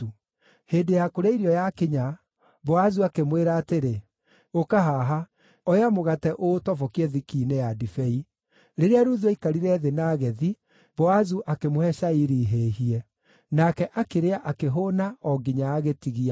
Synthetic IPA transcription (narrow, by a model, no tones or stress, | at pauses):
heːndejakoɾeiɾiɔjakeɲa | βɔazuakemweɾaːteɾe | okaɦaɦa | ɔjamoɣatɛʔotɔvɔkiɛðikiːneadifɛi | ɾeɾeaɾuðeikaɾiɾɛːðenaːɣɛði | bɔazuʔakemohɛʃaiɾiːɦeːɦiɛ | nakɛʔakeɾeaʔakeɦonaɔɡiɲaaɣetiɣia